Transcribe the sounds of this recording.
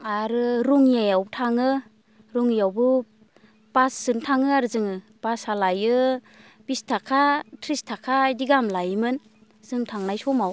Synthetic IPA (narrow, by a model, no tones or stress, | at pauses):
aɾɯɾuŋjajawtʰaŋɯ | ɾuŋijawbɯ | b̥asz̥ɯŋtʰaŋɯaɾɯzɯŋɯ | b̥asalajɯ | b̥istʰakʰatʰɾistʰakʰajdiɡamlajmɯn | z̥ɯŋtʰaŋnajsɔmaw